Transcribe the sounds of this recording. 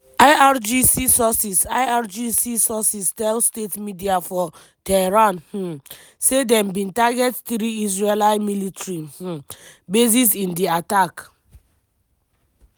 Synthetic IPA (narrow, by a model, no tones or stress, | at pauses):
ajad͡ʒisisɔsisajad͡ʒisisɔsistɛlstetmidiafɔ | tɛɹãnhũ | sedɛ̃mbĩntaɡɛttɹiis̬ɹelaɪmilitɹih̩bes̬isĩndiatak